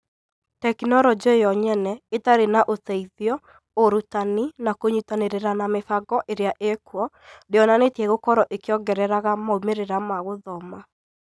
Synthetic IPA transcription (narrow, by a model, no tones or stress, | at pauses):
tɛkinɔɾɔd͡ʒejɔɲɛnɛetaɾenaʔotɛiðjɔ | oɾutaninakoɲutaneɾeɾanamefaɡɔʔeɾeaʔekwɔ | deɔnanetɛɣokɔɾɔʔekeɔɡɛɾɛɾaɣamaumeɾeɾamaɣoðɔma